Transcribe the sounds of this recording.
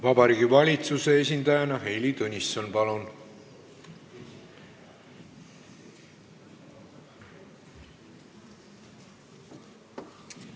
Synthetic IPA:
vɑbɑɾiːɡivɑlʲit̪suse̞es̬ʲind̪̥ɑjɑnɑɦe̞jlit̪unʲisːonpɑlun

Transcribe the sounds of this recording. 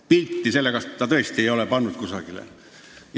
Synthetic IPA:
pilt̪ːiselːekɑst̪ːɑt̪ɤest̪iejo̞lepɑnːud̪̚kusɑɡ̥ilḛ

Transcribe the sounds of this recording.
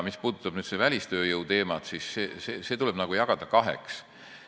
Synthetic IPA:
mispuːd̪ut̪ːˑɑb̥nyːd̪sevælʲist̪ø̞ːjɤwt̪e̞ːmɑt̪sisseːsese̞ːt̪ulɛb̥nɑɡ̥ujɑɡ̥ɑd̪̥ɑkɑɦḛks

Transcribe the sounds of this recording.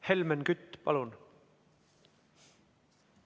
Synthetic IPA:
helmenkyt̪ːpɑ̰lun

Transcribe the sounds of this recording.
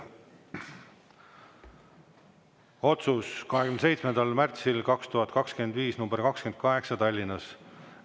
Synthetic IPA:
o̞t̪suskɑɦeɡymnd̪se̞jt̪smend̪̥ɑlmært̪silkɑkst̪uɦɑt̪kɑkskyeend̪viːsnumb̥eɾkɑkskend̪̚kɑɦe̞ksɑt̪ɑlʲːinɑs

